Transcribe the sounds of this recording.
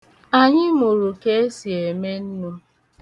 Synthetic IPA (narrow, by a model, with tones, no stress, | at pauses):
a˨ɲɪ˦mu˨ɾu˨ke˦e˦si˨e˨me˦n̩˦nu˦